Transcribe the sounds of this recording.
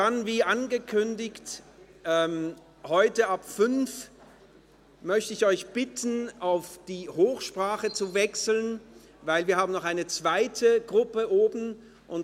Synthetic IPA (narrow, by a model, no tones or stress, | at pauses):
d̥anviːʔanɡəkʰʏndɪçtʔɛːm | hɔʏtəapfʏnf | mœçtəɪçɔʏçb̥ɪtn̩aʊfd̥iːhoːxʃpʁ̥aːχət͡suvɛksl̩n | vaɪlviːɐhaːbm̩nɔχaɪnət͡sv̥aɪtʰəɡʁʊpəʔoːbn̩ | ʔʊnt